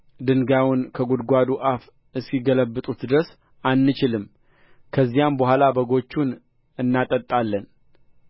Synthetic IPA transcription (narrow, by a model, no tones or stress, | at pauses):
d̪ɨŋɡawʊnkʰəɡud̪ɡʷad̪uʔaf | ɨsiɡələbːɨt̪ʼut̪d̪ɨɾəs | anːɨt͡ʃɪlɨmː | kʰəzːijambəɦʷalabəɡo̞t͡ʃːun | ɨnːat̪ʼət̪ʼːalːən